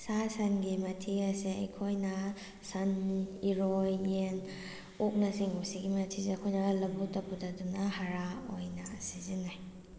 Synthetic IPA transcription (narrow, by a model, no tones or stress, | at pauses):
sasɐnɡimɐtʰiɐseɐjkʰojnɐ | saniɾojen | ok̚nɐsiŋusiɡimɐtʰiseɐkʰojnɐlɐbutɐpudɐdunahaɾaojnɐsizinaj